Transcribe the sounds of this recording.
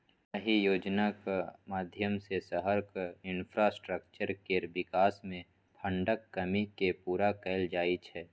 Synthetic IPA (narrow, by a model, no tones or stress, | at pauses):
səɦijoːd͡ʒnakmaːd̪ʱjəmsesəɦəɾkɪnpʰɾasʈɾəkt͡ʃəɾkeːɾbɪkaːsmẽ | pʰə̃ɳɖəkːəmikepuːɾakɛɪld͡ʒaːit͡ʃʰɛː